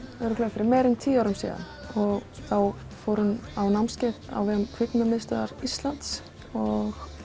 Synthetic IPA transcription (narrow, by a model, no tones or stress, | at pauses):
ɛɾʏkʰlœfɪɾɪɾmɛːɾʏnt̪ʰiːaːwɾʏmsḭːɣa̰n | ɔɣθaw | fɔːɾʏnawnawmscɛt̪a̰wvɛːɣʏmkʰv̥ɪt̪namɪðst̪aðaɾist̪lant̪s | ɔɣ